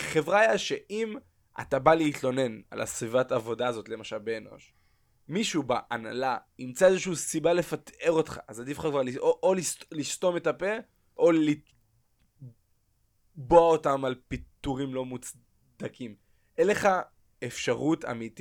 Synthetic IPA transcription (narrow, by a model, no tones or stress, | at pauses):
χe̞vʁajaʃeʔim | ʔa̰tabaleitlo̞ne̞na̰la̰svivatavo̞daːzo̞tlemaʃalbe̞ːno̞̰ʃ | miʃubaʔana̰laimt͡saezeʃuusibale̞fate̞ʁo̞tχa̰ʔazadifχakvaʁlioʔolislisto̞me̞tape̞ | ʔoli | boaotamalpit̪uʁimlo̞mut͡s | d̪akʰim | ʔele̞χa | efʃaʁuta̰mit